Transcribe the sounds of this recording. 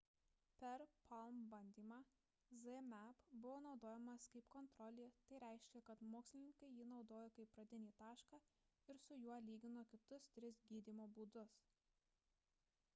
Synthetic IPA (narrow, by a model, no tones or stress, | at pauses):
pʲɛɾpʰɐlˠmbɐnʲd̪ʲiːmɑː | zɛmʲɛpbʊʋoːnɒʊd̪oːjɛmɐskɐɪpkɔnt̪ɾɔlʲeːt̪ɐɪɾʲɛˑɪʃʲkʲɛkɐt̪moːksʲlʲɪnʲɪŋkɐɪjiːnɒʊd̪oːjoːkɐɪpːɾɐd̪ʲɪnʲiːt̪ɑːʃkɑː | ɪɾsʊjuɔlʲiːɡʲɪnoːkʲɪt̪ʊst̪ʲɾʲɪs̬ɡʲiːd̪ʲiːmoːbuːd̪ʊs